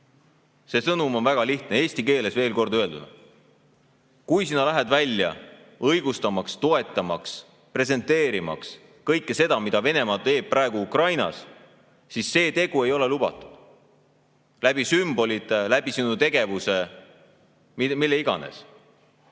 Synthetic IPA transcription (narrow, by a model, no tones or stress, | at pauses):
se̞sɤnumo̞nvæɡ̥ɑliht̪nee̞ːsʲt̪ike̞ːle̞sve̞ːlko̞rd̪øe̞ld̪̥ud̪̥ɑ | kujsinɑlæɦed̪vælʲːjɑ̰ | ɤjɡ̥ust̪ɑmɑkst̪o̞e̞t̪ːˑɑmɑks | pre̞s̬e̞nt̪ːe̞ːɾimɑ̰ks | kɤjkːese̞d̪ɑmid̪̥ɑve̞ne̞mɑːt̪e̞ːb̥̚prʔɑeɡ̥uukrɑjnɑ̰s | sisːe̞ːt̪e̞ɡ̥ue̞jo̞lelubɑ̰t̪ːˑu̥d̪̥ | læb̥isymb̥o̞lʲit̪ːˑelæb̥isinut̪e̞ɡe̞vuse | mimilːe̞iɡ̥ɑ̰ne̞̰s